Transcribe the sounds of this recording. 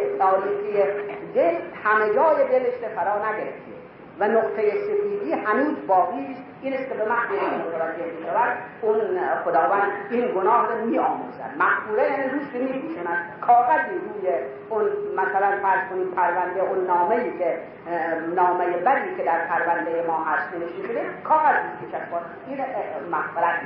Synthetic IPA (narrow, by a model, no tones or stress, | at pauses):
t̪ʰɒːliːɡijejehæmed͡ʒɒːjeb̪eleʃɾefæɾɒːnæɡeɾḛft̪ie | vænoqt̪ʰejesefiːd̪iːhænuːzbɒːɡiːʃ | iːneskʲebemæxfuːɾæot̪ʰoɾɑːkʰeɾd̪iʃævæd̪unxod̪ɒːvænd̪iːnɡonɒːhɾomiːʔɒːmṵzæ̰d̪̥mæhfuːɾejæːnid̪uːʃt̪imiːpʰuːʃunæd̪̥kʰɒːɣæziːɾuːje | onmæsælænfææɾz̥kʰoniːmpʰæɾvænd̪eʔonːɒːmeiːkʲʰe | nɒːmejebæd̪iːkʰed̪æɾpʰæɾvænd̪ejemɒːɦæst̪neneʃiːnʃid̪ekʰɒːɣæzuʃmit͡ʃʰæʃbɒːd̪ | iːɾmæhfeɾæt̪̚ʰi